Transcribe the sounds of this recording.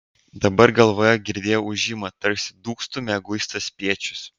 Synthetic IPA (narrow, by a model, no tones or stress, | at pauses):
d̪ɐbɐɾɡɐlˠʋoːjɛɡʲɪɾʲd̪ʲeːjoʊʒʲɪmɐt̪ɐɾksʲɪ̥d̪uːkst̪ʊmʲɛɡʊɪst̪ɐspʲiɛt͡ʃʲʊ̥s